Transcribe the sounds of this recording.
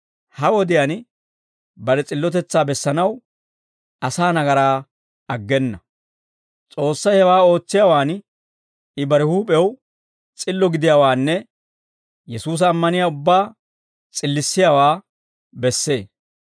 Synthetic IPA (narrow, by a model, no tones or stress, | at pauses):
hɐwɔd̪ɪjan | bɐɾɛt͡sʼɪlːɔt̪ɛt͡sːaːbɛsːɐnɐw | ɐsaːnɐɡɐɾaː | ɐɡːɛnːɐ | t͡sʼo̞ːsːɐjhɛwaːo̞ːt͡sːɪjaːwaːn | ɪbɐɾɛhuːpʼɛw | t͡sʼɪlːɔɡɪd̪ɪjaːwaːnːɛ | jɛsuːs̬ɐːmːɐnɪjaːʊbːaː | t͡sʼɪlːɪsːɪjawaː | bɛsːe̞ː